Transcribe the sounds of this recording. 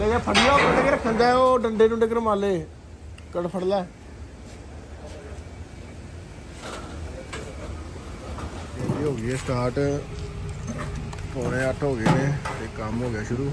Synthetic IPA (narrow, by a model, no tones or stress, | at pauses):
leːkeːpʰəɽijaːkəɖeːkəɾəkʰːənd̪ɛːoːɖəɳɖeːnũːɖeːk̬əɾmaːleː | kəɽpʰəɽlɛː | eːliːɦoːɡiːɛːsʈaːɾʈ | poːɽeːəʈʰɦoːɡeẽːt̪eːkəmɦoːɡejaːʃʊɾuː